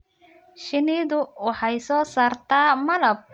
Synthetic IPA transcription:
ʃɪniðʊwɑħɑjsɔːsaːrt̪ʰaːmɐlɐb̚

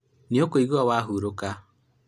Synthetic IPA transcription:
niokoiɣwawaːɦuɾoka

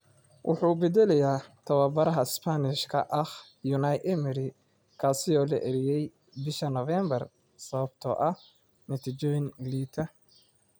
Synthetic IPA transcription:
wʔʊ̰ħuːbɛd̪ɛlɛjaːt̪ʰɐwɐbɐɾɐɦɐɪspʰɐnɪʃkʰɐ̰ʔɐχ | jʊnɐjʔɛmɪɾɪ | kʰaːsɪɔːlɐʔɛɾɪjɛj | bɪʃɐnɔvɛmbɐr | sɐβɐb̥̚t̪ʰɔ̰ːʔɐ | nɐt̪ʰit͡ʃɔːjɪnliːt̪ʰɐ

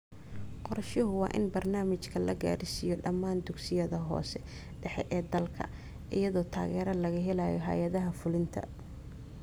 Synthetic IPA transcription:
qɔɾɐʃɪɦʊwɑ̰ːʔɪnbɐrnaːmɪt͡ʃkʰɐlɐɡa̰ːɾɪsɪjɔɖɐmːaːnd̪ʊɡsɪjɐðɐɦɔ̰ːsɛ | ɖɛħɛʔɛːd̪ɐlkʰɐ̰ | ʔɪjɐðɔːt̪ʰa̰ːɣɛːɾɐlɐɣɐɦɛlaːjɔ̰ɦɐ̰jɐðɐɦɐfʊlɪnt̪ʰɐ̰

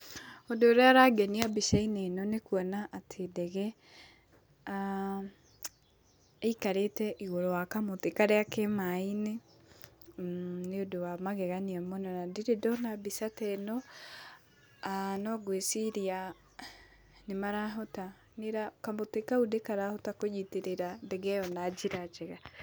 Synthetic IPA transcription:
odooɾeaɾaɡɛniabisainenɔnekuɔnaʔatʰedɛɣɛ | a | eikaɾetɛʔiɣoɾɔwakamotekaɾɛakemaine | neodowamaɣɛɣaniamɔnɔnadiɾedɔnabisatɛnɔ | anɔɡwesiɾia | nemaɾaɦɔta | neɾakamotekaudekaɾahɔtakod͡ʒiteɾeɾadɛɡɛjɔnad͡ʒiɾad͡ʒɛɣa

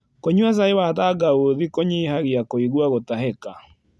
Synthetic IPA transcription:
koɲwas̬aewataɡaoðikoɲeɦaɣiakoiɣwaɣotaɦɛka

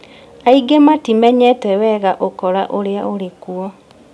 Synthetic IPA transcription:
aiɡematimɛɲɛtɛwɛɣaʔokɔɾa̰ʔoɾeaoɾekuɔ

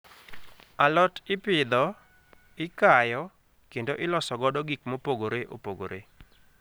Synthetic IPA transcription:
alɔtɪpɪd̪ɔ | ɪkajɔ | kendoʔɪlɔsɔɡɔdɔɡikmopoɡoɾeʔo̰poɡo̰ɾḛ

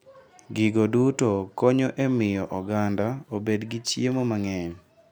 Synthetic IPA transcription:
ɡɪɡodutokɔɲoʔemɪjɔʔɔɡandaobedɡit͡ʃjemomaŋɛɲ

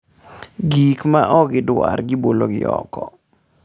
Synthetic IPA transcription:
ɡikmaʔɔɡɪdʊarɡɪboloɡɪɔkɔ

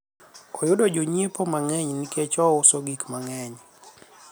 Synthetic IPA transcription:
ɔjʊdɔd͡ʒoɲiepɔmaŋɛɲniket͡ʃɔʊsɔɡikmaŋɛɲ

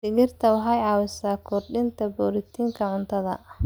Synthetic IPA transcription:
sɪɣɪrt̪ʰɐwɑħɑjʕɑːwɪsaːkʰʊrɖɪnt̪ʰɐbɔːɾɪt̪ʰiːŋkʰɐʕʊnt̪ʰɐðɐ̰

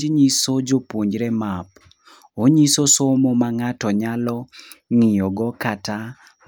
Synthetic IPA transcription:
d͡ʒɲisod͡ʒopwoɲd͡ʒɾɛmap | oɲisosomomaŋatɔɲalɔŋijɔɡɔkata

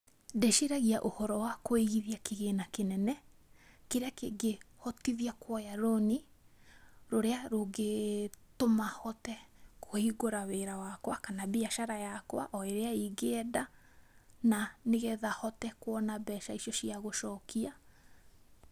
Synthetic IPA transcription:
deʃiɾaɣiaʔohɔɾɔwakoeɣiðiakeɣenakenɛnɛkeɾeakeɡehɔtiðiakwɔjaɾoni | ɾoɾeaɾoɡetomahɔtɛkʰoiɡoɾaweɾawakwakanabiaʃaɾajakwa̰ʔɔeɾeaiɡeɛda | naneɣeðahɔtɛkwɔnabɛʃaiʃijɔʃiaɣoʃɔkʰia

